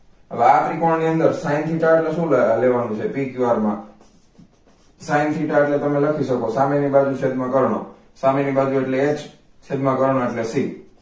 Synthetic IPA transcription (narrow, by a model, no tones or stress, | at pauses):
ɦəʋeakʰɾikɔɳniənd̪əɾsaint̪ʰiʈaʈleʃũlleʋanũt͡ʃʰepikjuaɾmã | saint̪ʰiʈaʈlet̪əmeləkʰiʃəkosamenibad͡ʒuʃed̪mãkəɾɳo̰ | samenibad͡ʒueʈleːd͡ʒ | ʃed̪mãkəɾɳ̃oeʈlesi